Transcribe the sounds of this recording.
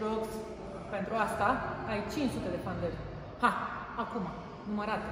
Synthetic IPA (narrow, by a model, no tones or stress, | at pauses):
ɾoks | pent̪ɾuast̪aajt͡ʃint͡ʃsut̪e̞d̪e̞fand̪erʲ | haː | kuma | numəɾat̪